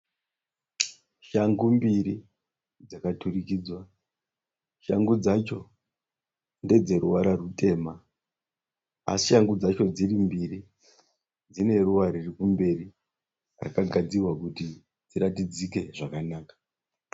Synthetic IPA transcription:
ʃaŋɡumbiɾi | d͡zakatuɾikiːd͡zwa | ʃaŋɡud͡zat͡ʃo̞ | nde̞d͡ze̞ɾuwaɾarutʰe̞ːma | a̰siʃaŋɡud͡zat͡ʃo̞d͡zirimbiɾi | d͡zine̞ruʋaɾirikumbe̞ri | ra̰kaɡʱad͡zirwakuti | d͡ziɾatid͡zike̞ʐakanaːkḁ

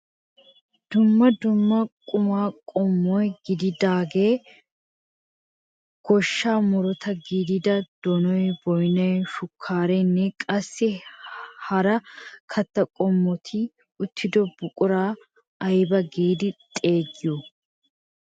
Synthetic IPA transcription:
d̪̥ʊmːɐd̪ʊmːɐkʼʊmaːkʼɔmːɔjɡɪd̪ɪd̪aːɡe̞ː | ɡ̥ɔʃːaːmʊɾɔt̪ʰɐɡiːd̪ɪd̪ɐd̪̥ɔnɔjbɔjnɐjʃʊkʰːaːɾɛnːɛkʼɐsːɪ | hɐɾɐkʰɐt̪ːɐkʼɔmːɔt̪ʰɪ | ʊt̪ːɪd̪ɔbʊkʼʊɾaː | ʔɐjbɐɡiːd̪ɪt̪ʼe̞ːɡɪjɔ

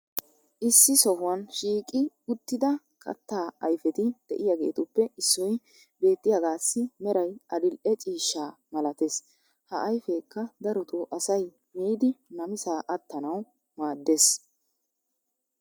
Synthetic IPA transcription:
ʔɪsːɪsɔɦʊwɐnʃiːkʼɪ | ʊt̪ːɪd̪ɐ | kʰɐ̰t̪ːaːɐjfɛt̪ɪd̪̥ɛʔɪjaɡe̞̰ːt̪ʊpːɛɪsːɔj | be̞ːt̪ːɪjɐɡaːsːɪmɛɾɐjʔɐd̪ɪlʔɛt͡ʃʼiːʃːaːmɐlɐt̪es | hɐʔɐjfeːkːɐd̪ɐɾɔt̪uʔɐsɐj | miːd̪ɪnɐmɪsaːʔɐt̪ːɐnɐw | maːd̪ːeːs

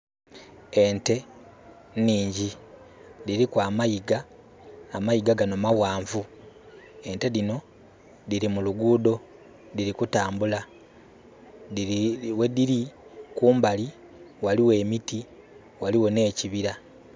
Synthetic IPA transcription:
e̞nte̞ | niːɲɟi | liɾikwaːmajiɡaː | majiɡaɡano̞mawaːɱvu | e̞nte̞ðino̞ | diɾimuluɡuːdo̞ | diɾikutaːmbula | wediɾikuːmbali | waliwe̞ːmiti | waliwo̞ne̞ːciβiɾa

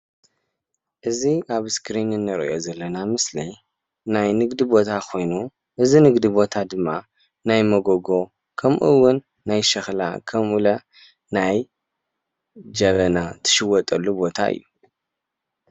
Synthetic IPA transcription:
ʔɨziaβskɾinɨnːɐɾɐ̰ʔo̞zɐlːɐnamɨslḭ | najnɨɡd̪ibo̞t̪ʰakʰo̞jnu | ʔɨzinɨɡd̪ibo̞t̪ʰad̪ɨmːa | najmɐɡoɡo̞ | kʰɐmʔuwʊnː | ajʃɐxla̰kʰɐmʔulɐ | naj | d͡ʒɐβɐnat̪ʰɐ̥ʃɨwːɔt̪ʼɐlːubo̞t̪ʰa̰ʔɨ̰jːu

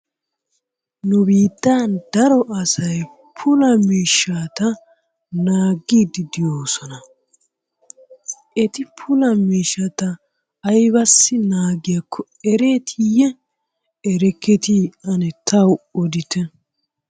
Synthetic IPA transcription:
nʊbiːd̪̥ːaːnd̪ɐɾɔʔɐsɐj | pʰʊlɐmiːʃːaːt̪ɐ | naːɡːiːd̪ɪd̪ɪjoːsɔnɐ | ʔɛt̪ɪpʰʊlɐmiːʃːɐt̪ɐː | jβɐsːɪnaːɡɪjakʰːɔ | ɛɾe̞ːt̪ʰijɛ | ɛɾɛkːɛt̪iɐnɛt̪ʰɐwɔd̪ɪt̪ɛ

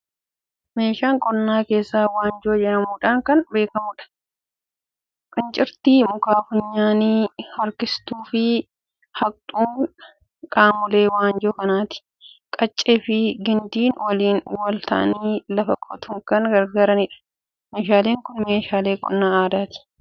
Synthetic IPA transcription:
meːʃaːŋkʼɔnːaːke̞ːsːaːwaːnd͡ʒoːd͡ʒɛʔɐmuːᶑaːŋkɐnbe̞ːkɐmʊːᶑɐ̥ | kʼɪnt͡ʃʼɪɾt̪iːmʊkaːfʊɲːaːniːhɐɾkɪst̪uːfɪ | hɐktʼuːŋ | kʼaːmʊle̞ːwaːnd͡ʒoːkɐnaːt̪ɪ̥ | kʼɐt͡ʃʼːeːfɪɡɪnd̪iːnwɐliːnwɐlt̪ɐ̰ʔɐ̰niːlɐfɐkʼɔt̪ʰʊŋkɐŋɡɐɾɡaːɾɐnɪᶑɐ̥ | meːʃaːle̞ːŋkʊnme̞ːʃaːle̞ːkʼɔ̰nːaːaːd̪aːt̪ɪ̥

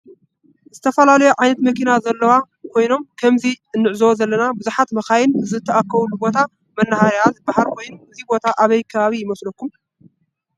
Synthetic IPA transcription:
zɨt̪ʰɐfɐlalɐjuʕajnɐt̪mɐkʰinazɐlːɐwa | kʰo̞jno̞mkʰɐmzi | ɨnːɨʕzɐwozɐlːɐnabɨzuħat̪mɐxajɪnɨzɨt̪ʰːɐʔakːɐβlːubo̞t̪ʰa | mɐnːahaɾjazɨbahalkʰo̞jnʔɨzibo̞t̪ʰaʔaβɐjkʰɐβaβijɪmɐslɐkːum

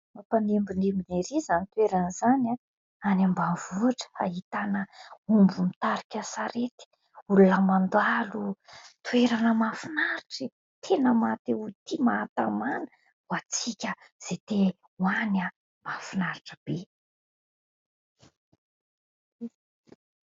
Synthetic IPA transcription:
apanembinembineɾizanit̪weɾanizana | anambavuaʈ͡ʂə̥a̰ɦit̪anəumbumit̪aɾikʲasaɾet̪i̥ | ulunəmand̪alut̪weɾanəmafinaɾiʈ͡ʂi | t̪ʰenəmat̪eut̪ʰimaːt̪amanə | wat͡sikʲəz̥et̪e | wana | mafinaɾiʈ͡ʂəb̥e

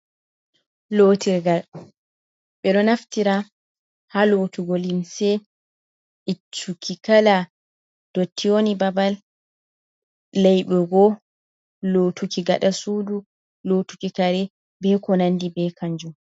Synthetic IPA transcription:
loːtiɾɡal | ɓɛɗɔnaftiɾa | halotuɡɔlimsɛ | ʔit͡ʃːukʰikala | d̥otʰːionibabal | ɛjɓɛɡɔ | loːtukiɡa̰ɗasuːdu | lotu̥kikaɾɛ | bɛkɔnandibɛkʰaɲd͡ʒum

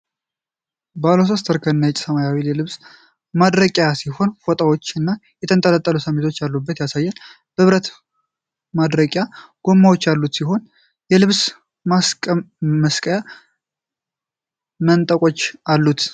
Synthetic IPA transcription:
bəalo̞s̬ost̪ʰəɾkʰəɨnːajɛt͡ʃʼːsəmajawiljɛlɨβs | mad̪ɾəkʼjasiho̞nfot̪ʼawot͡ʃːɨnːajɛt̪ʰənt̪ʼələt̪ʼːəlusəmːit̪ʰo̞t͡ʃːjalːubːət̪jasajːɛn | b̥əβɾət̪ | mad̪ɾəkʼjaɡ̥o̞mːawo̞t͡ʃːjalːut̪siɦo̞n | jɛlɨβs | s | məskʼəja | mənt̪ʼəkʼo̞t͡ʃːalːut̪

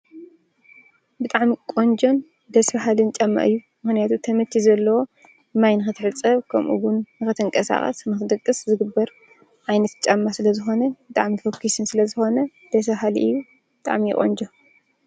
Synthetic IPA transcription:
bɨt̪ʼaʕmikʼond͡ʒo̞n | d̪ɐsbaɦalint͡ʃʼamːa̰ʔɨjːu | mɨxnijat̪ʰut̪ʰɐmɐt͡ʃ̪ʰːizɐlːɐwo̞ | majnɨxɨt̪ʰɨħɨt͡sʼɐβkʰɐmʔṵwʊnːɨxɨt̪ʰɨŋkʼɐsa̰xʼɐ̰snɨxɨd̪ɨkʼːɨszɨɡɨbːɐɾ | ʔajnɐt̪t͡ʃʼamːasɨlɐzɨxo̞nɐbɨt̪ʼaʕmifokʰːisɨnsɨlɐzɨxo̞nɐ | d̪̥ɐsaɦalḭʔɨjːu | bɨt̪ʼa̰ʕmḭkʼo̰nd͡ʒo

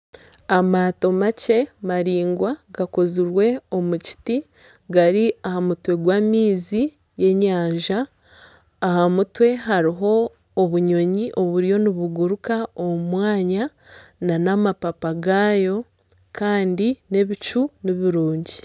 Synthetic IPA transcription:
amaːto̞mace̞maɾiːŋɡwaɡakoziɾwe̞o̞muci̥ti | ɡaɾiahamutwe̞ɡwaːmiːzi | je̞ɲaːɲʒaː | hamutwe̞ɦaɾiɦo̞ː | βuɲo̞ɲiʔo̞βuɾjo̞niβuɡuɾukaomumwaːɲa | nanamapapaɡaːjo̞ | kaːndine̞βit͡ʃuniβiɾuːɲɟi

